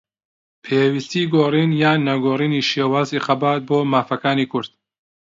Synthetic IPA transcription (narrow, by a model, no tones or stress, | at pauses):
pʰeːwist̪iːɡoːriːnjaːnːɐɡoːriːniːʃeːwaːziːχɐbaːt̪̚boːmaːfɐkaːniːkʰʊɾd̪̥̚